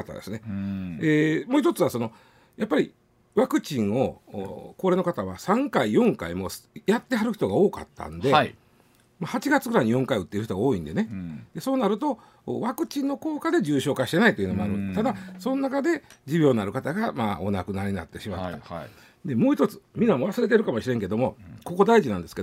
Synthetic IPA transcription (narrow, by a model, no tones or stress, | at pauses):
kat̪a̰d̪e̞sɨne̞emo̞ːçit̪ot͡sɨβaso̞no̞ | japːaɾʲḭ | βakɯ̟t͡ɕĩŋo̞̰ko̞ːɾe̞ːnokat̪aβ̞asãŋkaijõ̞ŋka̰imo̞sjat̪ːe̞ɦaɾɯ̟çi̥t̪o̞ɡaoːka̰t̪ːã̰nd̪e̞ | mahat͡ɕiɡat͡sɨ̥ɡɯɾaiɲ̟ijõ̞ŋkaiɯ̟t̪ːe̞ɾɯ̟çit̪o̞ɡao̞ːĩnd̪e̞ned̪̥e̞so̞ːnaɾɯ̟t̪o̞̰ | βakɯ̟t͡ɕĩnːo̞ko̞ːkad̪e̞d͡ʑɨːɕo̞ːkaɕi̥t̪e̞nait̪oiɯ̟no̞moaɾɯt̪ad̪aso̞nonakad̪e̞d͡ʑibʲjo̞ːnaɾɯ̟kat̪aɡama̰ːo̞nakɯ̟naɾʲiɲina̰t̪ːe̞ɕima̰t̪ːa | d̪e̞mo̞ːçit̪o̞t͡sɨ̥mʲĩnːamo̞βasɨɾe̞t̪̬e̞ɾɯ̟kamo̞ɕiɾe̞ŋke̞d̪o̞mo̞ko̞ko̞d̪aiʑinãnd̪esɨ̥ke̞